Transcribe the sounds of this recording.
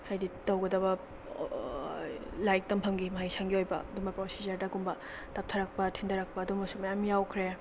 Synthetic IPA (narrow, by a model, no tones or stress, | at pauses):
hajditɐwɡɐdɐbɐ | lajk̚tɐmpʰɐmɡimɐɦajsaŋɡiojbɐ̰dumɐpɾosizɐɾdɐɡumbɐ | tɐp̚tʰɐɾɐk̚pɐtʰindɐɾak̚pɐːdumɐsumɐjamijawkʰɾe